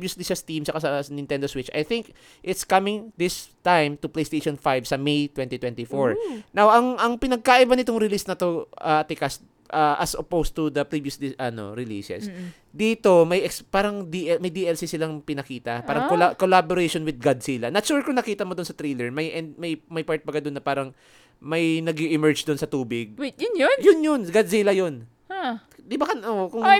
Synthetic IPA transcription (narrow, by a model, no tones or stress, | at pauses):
bjʊsliʃɐst̪imsɐkasɐnɪnɛ̃nd̪oswɪt͡ʃʔɐ̰jθɪŋk | ʔɪt̪skɐmɪ̃ŋd̪ɪst̪ajmt̪ʊplejst̪ejʃonfajvsɐmejt̪wɛ̃nt̪it̪wɛnt̪ifoɹnawʔɐŋɐŋpɪnɐɡ̚kaʔɪbanɪt̪oŋɾɪlisnɐt̪o̞ʔɐt̪ɪkɐs | ʔɐʔɐsopowst̪ud̪ɐpɾivjʊsliʔɐno̰ɾɪlḭːsɛ̰s | d̪iːt̪o̞mɐjʔɛkspaːɾɐŋd̪iʔɛmɐjd̪iʔɛlsisɪlaŋpɪnɐkiːt̪ɐpaːɾɐŋolakolaboɾejʃonwɪd̪̚ɡad̪siːlɐnɐt͡ʃuɹkonɐkiːt̪ɐmod̪ʊnsɐt̪ɾilɛɹmɐjʔɛnd̪̚mɐjmɐjpaɹt̪̚pɐɡad̪onːɐpaːɾɐŋ | mɐjnɐɡiʔɪmɛɹd͡ʒd̪onsɐt̪uːbɪɡ̚jʊnjjʊnjonɡad̪̚siːlɐjon | d̪ɪbakɐnʔokʊŋ